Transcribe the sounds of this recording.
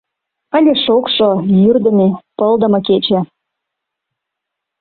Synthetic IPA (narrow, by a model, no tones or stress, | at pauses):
ənʲeʃokʃojyrd̪ə̆mepəld̪ə̆mɤ̆k̬et͡ɕĕ